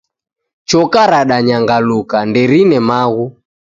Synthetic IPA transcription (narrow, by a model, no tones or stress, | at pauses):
t͡ʃɔkaɾaɗaɲaŋɡalukandɛɾinɛmaɣu